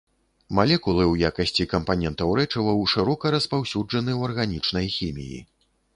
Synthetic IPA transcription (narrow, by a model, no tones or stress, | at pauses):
malʲɛkulˠɨwjakɐsʲt͡sʲikɐmpanʲɛnt̪ɐwɾɛt͡ʂɐvɐwʂɨɾɔkɐɾɐspawsʲud͡ʐɐnɨwɐrɣanʲit͡ʂnɐjxʲimʲḭjḭ